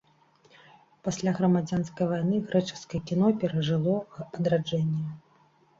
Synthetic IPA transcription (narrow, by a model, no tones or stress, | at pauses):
pasʲlʲaɣɾɐmad͡zʲanskɐjvajnɨɣɾɛt͡ʂɨ̥skɐjɛkʲin̪ɔpʲɛɾɐʐɨlˠɔpɐd̪ɾad͡ʐɛnʲːɛ